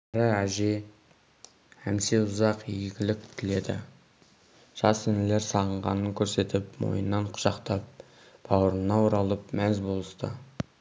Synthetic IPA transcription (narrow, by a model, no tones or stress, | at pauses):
ɾəæʒe̞ | hæmse̞ʊzɑqieɡʲɪlɪk̚ʲt̪ʰɪle̞d̪ɪ̰ | ʒ̥ɑsɪnɪle̞ɾsɑʁəɴʁɑ̰nəŋkʲʰɵɾse̞t̪ɪpmo̞̰jənːɑɴqʰʊ̥ʒ̥ɑqt̪ɑp̚ | b̥ɑwəɾənːɑwoɾɑlˠəp̚mæzbo̞lˠəst̪ə̰